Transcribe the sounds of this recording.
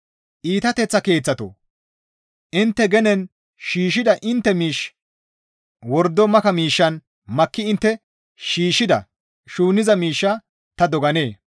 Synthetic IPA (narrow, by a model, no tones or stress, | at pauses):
ʔiːt̪ɐt̪ɛt͡sːɐke̞ːt͡sːɐt̪o̰ | ʔɪnt̪ːɛɡɛnɛn | ʃiːʃ̬ɪd̪ɐʔɪnt̪ːɛmiːʃ | wɔɾd̪ːɔmɐkɐmiːʃːɐn | mɐkːɪɪnt̪ːɛ | ʃiːʃːɪd̪ɐ̰ | ʃuːnɪzɐmiːʃːɐ | t̪ɐd̪ɔɡɐneː